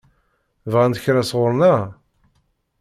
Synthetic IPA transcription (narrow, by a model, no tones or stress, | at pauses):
vʁænt̪əçɾæsʁʊɾˤnæ